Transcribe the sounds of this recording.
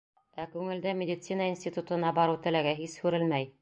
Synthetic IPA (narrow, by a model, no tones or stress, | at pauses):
ækʉŋɘ̆ld̪æmʲɪdʲɪt̪sinəinsʲt̪ʲit̪ut̪ɤ̆nɑbɑɾɤwt̪ɘ̆læɡæɦishʉɾɘlmæj